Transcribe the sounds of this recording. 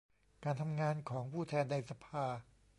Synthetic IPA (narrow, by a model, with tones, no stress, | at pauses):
kaː˧nt̪ʰa˧mŋaː˧nkʰɔː˩˦ŋpʰuː˥˩t̪ʰɛː˧nːa˧jsa˧pʰaː˧